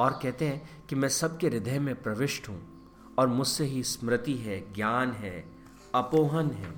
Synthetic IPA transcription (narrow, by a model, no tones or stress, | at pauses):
ɔːɾkɛɦt̪eɦɛ̃kimɛ̃ːsɐb̚keɾɪd̪ʱəjmẽpɾɐʋɪʃʈɦṵ̃ː | ɔːɾmʊd͡ʒʱseɦismɾɪt̪iɦɛːɡjaːnɦɛː | ɐpoːɦənɦɛ̰ː